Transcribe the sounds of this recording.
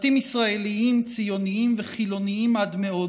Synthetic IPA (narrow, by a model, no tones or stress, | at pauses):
t̪imisʁae̞liimt͡sijo̞niimveχilo̞niimad̪meo̞